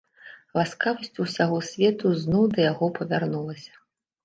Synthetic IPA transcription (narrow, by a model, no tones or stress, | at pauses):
laskavɐsʲt͡sʲusʲaɣɔsʲvʲɛt̪uznɔwd̪ɐjaɣɔpɐvʲarnulˠɐsʲɐ̥